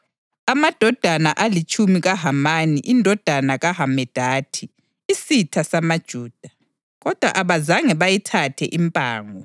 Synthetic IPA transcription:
amad̥ʱɔd̥ʱanaʔalit͡ʃʼumiɣaɦamaniʔindʱɔd̥ʱanaɣaɦamɛd̥ʱaːtʰiː | sitʰasamad̥ʒ̥ʱuːd̥ʱa | ɣɔd̥ʱwa̰ʔaβazaŋɛβajitʰatʰɛ̰ʔimpʼa̰ːŋɔ

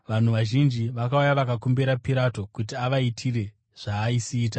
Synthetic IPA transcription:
ʋan̤uʋaʒind͡ʒiʋakaujaʋakakombeɾapiɾato̞kutiaʋaitʰire̞ | ʐ̥aːisiːt̬a

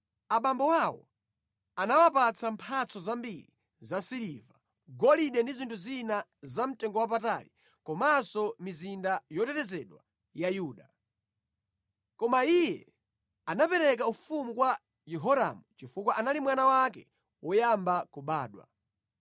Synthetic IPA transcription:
aɓambɔwawɔ̰ | anawapat͡sʰampʰat͡sʰɔzambiɾḭ | zasiɾiva | ɡɔliɗɛndizintʰuzinazam̩tɛŋɡɔwap̬ata̰li | kɔmasɔmizindajɔtɛtɛzɛɗwa̰ | jajuːɗa | kɔmaijɛ | anapɛɾɛk̬aufumukwa | jɛɦɔɾa̰mut͡ʃifukwaʔanalimwanawakɛ | wɔjambakuɓaːɗwa̰

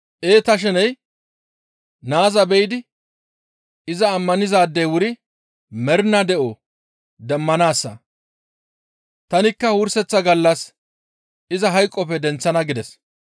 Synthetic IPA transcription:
ʔe̞ːt̪ɐʃ̬ɛnɛj | naːzɐbɛjɪd̪ɪ | ɪzɐːmːɐnɪzaːd̪ːɛjwʊɾɪ | mɛɾnɐd̪ɛʔo | d̪ɛmːɐnaːsːɐ | t̪ɐnɪkːɐwʊɾsɛt͡sːɐɡɐlːɐs | ʔɪzɐɦɐjkʼːɔpɛd̪ɛnt͡sːɐnɐɡɪd̪ɛs

